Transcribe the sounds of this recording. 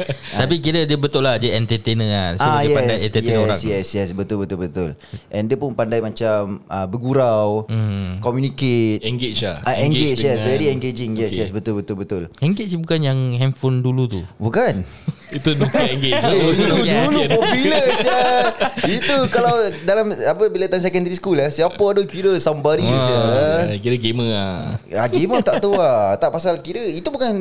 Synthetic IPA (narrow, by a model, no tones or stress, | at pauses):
t̪apikiɾədiəbət̪ʊʔlahd͡ʒəɛnt̪ət̪enə̃asajjɛadajsɛnt̪əjɛoɾasŋjɛsjɛsbət̪ʊlbət̪ʊlbət̪ʊlʔɛ̃ndiəpʊnpandajmat͡ʃaməbəɡuɾawkɔmjuniket̪ɛŋɡet͡ʃaʔaɛ̃ŋɡet͡ʃjɛsvɛɾiɛŋɡed͡ʒɪŋjɛsjɛsbət̪ʊlbət̪ʊlbət̪ʊlɛŋɡet͡ʃbukanjaŋɦɛmfondulut̪ubukan | it̪udukaɛŋɡeeit̪udulupɔpjuləsəit̪ukalawdalamapəbilat̪amsɛkɛndaɾiskulasiapəadokiɾəsambadisəkiɾəɡeməaaɡemət̪aʔt̪uat̪aʔpasalkiɾəit̪ubukan